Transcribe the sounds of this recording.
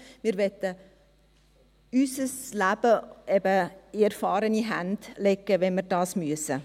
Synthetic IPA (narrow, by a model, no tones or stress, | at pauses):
mɪːɾʋɛtə | ysəslæb̥əɛbəɪɛɾfɑːɾəniɦænd̥lɛkːəʋɛnməɾdɑːsmyəsə